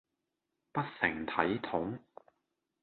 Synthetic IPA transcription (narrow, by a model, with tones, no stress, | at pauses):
pɐ˥t̚sɪ˨˩ŋt̪ʰɐ˨˥jt̪ʰʊ˨˥ŋ